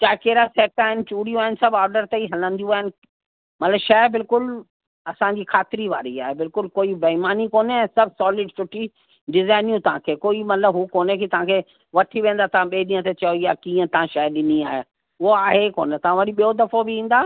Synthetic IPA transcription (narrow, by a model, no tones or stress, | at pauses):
t͡ɕaːkeːɾasɛːʈaːɦɪnɪ̆t͡ɕuːɽijũaːɪnɪsɐbɔːɾɖəɾt̪ɐiɦɐlə̃nd̪ijũaːɦɪnɪ̆ | mɐt̪ləbʃaɪbɪlkʊl | ɐsãɲd͡ʑiːkʰaːt̪ɪɾiʋa̰ːɾiaːɦebɪlkʊlkoːibɐɦɪmaːnikoːneɛ̃ːsɐbʱsɔːlɪɖsʊʈʰi | ɖɪzaːɪnijũt̪ɐʋɦãkʰeːkoːimɐt̪ləbɦukoːnekit̪ɐʋ̤ãkʰeː | ʋɐʈʰiʋẽːnd̪at̪ɐʋãɓieɗĩːə̃t̪et͡ɕɐoijaːkĩːə̃t̪ɐãʃaːɗɪniaːɦe | ʊɦoaːɦekoːnet̪ɐʋãʋɐɗĩɓiod̪ɐfobɪĩːn̆d̪aː